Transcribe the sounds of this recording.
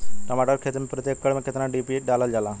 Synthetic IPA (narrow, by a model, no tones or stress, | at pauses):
ʈəmaːʈəɾkʰeːt̪mepɾət̪jeːkːəɽmẽkʰeːt̪ɾãːɖiːpieɗaːləld͡ʒaːlãː